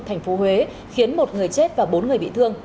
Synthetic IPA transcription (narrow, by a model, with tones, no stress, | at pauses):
t̪ʰa˨˩ŋ̟fo˨˦ɦwe˨˦ | xi˨˦ənmo˨˩t̚ŋɨ˨˩əjt͡ɕe˦˥t̚vaː˨˩ɓo˨˦nŋɨ˨˩əjɓḭ˧˨t̪ʰɨ˧əŋ